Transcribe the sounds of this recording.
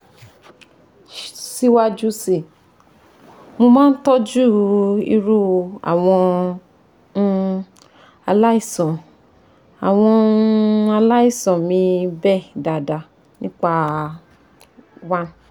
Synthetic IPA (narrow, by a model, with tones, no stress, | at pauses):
si˦wa˦d͡ʒu˦si˨ | mo˧mãː˦n̩˦tɔ˦d͡ʒu˦˨ḭ˧ɾu˦a̰˨w̃ɔ̃˧ | a˧la˦i˦˨sɔ̃˨ | a̰˨w̃ɔ̃˧ | a˧la˦i˦˨sɔ̃˨mĩ˧bɛ˦˨da˨da˧˨ | nĩ˦k͡pa˦ | wa˦n˦